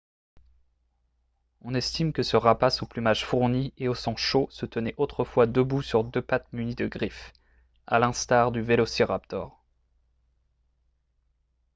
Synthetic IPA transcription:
ɔ̃nɛst̪imkəsəʁapasuplymaʒfuʁnieosɑ̃ʃosət̪ənɛʔot̪χəfwad̪əbusyʁd̪øpat̪mynid̪əɡʁif | a̰lɛ̃st̪aʁd̪yvelosiʁap̚t̪ɔ̰ʁ

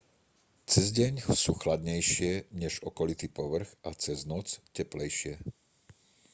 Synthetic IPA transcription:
t͡sɛzɟɛɲsuːxlad̪ɲɛjʃɪɛɲɛʒɔkɔlit̪iːpɔʋr̩ɣat͡sɛznɔt͡scɛplɛjʃɪɛ

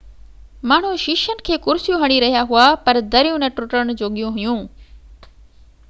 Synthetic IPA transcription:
maːɳ̤ũʃɪʃənɪ̆kʰeːkʊɾɪsjũɦɐɽ̃iɾɐɦijaɦuapɐɾd̪ɐɾijũnɐ̃ʈɾʊʈɾəñ̆d͡ʑoːɠijũɦʊjũː

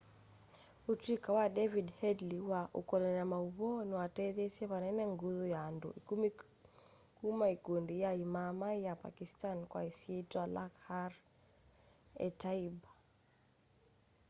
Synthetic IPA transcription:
utikawaɗɛvidhɛdliwaʔukɔlɛnamauβɔniwatɛðɛsiɛβanɛnɛŋɡuðɔjando̰ikumi | kumaikundijaimamajapa̰kistankwa̰isietwalakhaɾ | ɛ̰taiba

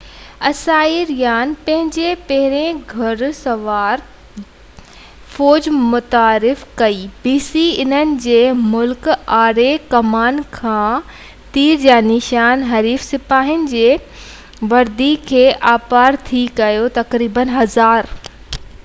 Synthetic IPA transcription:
ɐsaːiɾijaːnpɐ̃ɦɪ̃ɲd͡ʑepɐɦɪɾẽɡʱɐɾsɐʋaːɾ | foːd͡ʑmʊt̪aːɾɪfkɐiːbiːsiɪn̤ənɪ̆d͡ʑeːmʊlkaːɾekɐmaːnkʰãː | t̪iːɾd͡ʑaːnɪʃaːnɦɐɾiːfsɪpaːɦɪnɪ̆d͡ʑeː | ʋɐɾd̪ikʰeːʔaːpaːɾt̪ʰikɐjot̪ɐkɾiːbənɦɐzaːɾ

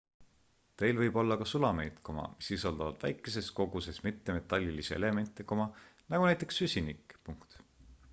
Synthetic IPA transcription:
t̪e̞jlvɤjb̥o̞lːɑkɑsulɑme̞jt̪ko̞mɑ̰misisɑld̪ɑvɑd̪̥væ̰jkːˑe̞s̬e̞sko̞ɡ̥use̞smit̪ːeme̞t̪ːˑɑlʲːiliseḛle̞me̞nt̪ːˑeko̞mɑnɑɡunæjt̪ːˑe̞ksysʲinikːˑpuŋkt̪

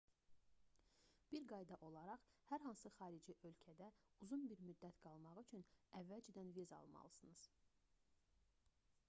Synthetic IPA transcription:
b̥iɾɡɑjd̪ɑʔo̞lˠɑɾɑʁhæɾɦɑnsɯχɑːɾid͡ʒiʔø̞lcʰæd̪æuzunbiɾmyd̪ːæt̪ɡ̥ɑlˠmɑʁyt͡ʃʰynævːæld͡ʒid̪ænvizɑ̰lˠmɑ̰lˠɯsɯnɯz̥

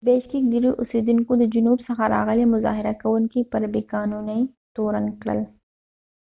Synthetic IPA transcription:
beːʃkikd̪iɾiʔʊsiːd̪inkod̪əd͡ʒʊnuːbsɐxaɾa̰ːɣəlimʊza̰ːɦɪɾakɐwʊnkipɐɾbiːkaːnuːnɐi | t̪oːɾənkɽə̰l

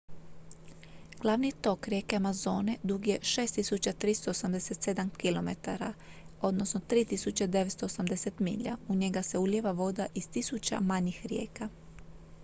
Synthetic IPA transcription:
ɡ̥lˠaʋnit̪o̞kɾʲje̞ːkeamazo̞ːne̞d̪uɡije̞ʃeːst̪isut͡ɕat̪ɾist̪oosamd̪e̞set̪se̞d̪amkilo̞me̞t̪a̰ɾa̰ | o̞d̪no̞sno̞t̪ɾiːt̪isut͡ɕed̪e̞ʋe̞t̪st̪oosamd̪e̞se̞t̪mḭʎa̰uɲe̞ɡase̞uʎeʋaʋo̞d̪aʔist̪isut͡ɕa̰maɲixɾje̞̰ːka

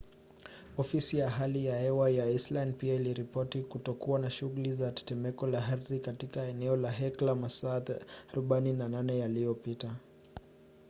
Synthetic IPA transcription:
ɔfisijaɦalijahɛwajaislanpiailiɾipɔtikutɔkuwanaʃuɣulizatɛ̥tɛmɛkɔlaɦaɾðikatikaɛnɛɔlaɦɛklamasataɾuɓaininananɛjalijɔpita

